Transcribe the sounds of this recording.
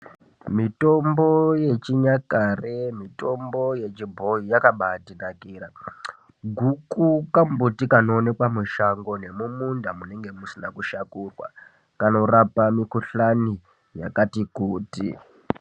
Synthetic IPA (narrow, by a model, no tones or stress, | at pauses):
mito̞mbo̞je̞t͡ʃiɲakaremito̞mbo̞je̞t͡ʃibʱo̞ijakaɓatirakiːɾa | ɡʱukukambutikano̞ːne̞kwamuʃaŋɡo̞ne̞mumundamune̞ŋɡe̞musinakuʃakurwa̰ | kano̞rapamikuɬani | ja̰katikuːtḭ